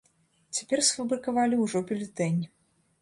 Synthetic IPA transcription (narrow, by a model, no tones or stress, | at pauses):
t͡sʲḁpʲɛrsfɐbɾɨkɐvalʲiuʐɔpʲilʲɪt̪ɛnʲi